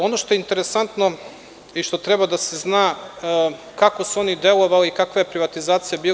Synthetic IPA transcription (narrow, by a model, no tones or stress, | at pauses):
o̞noʃt̪o̞jeint̪eɾesant̪no̞ | iʃt̪o̞t̪ɾebad̪aseznaː | kakosuo̞nid̪e̞lˠo̞ʋaliikakʋajepɾiʋat̪izaːt̪sijabiː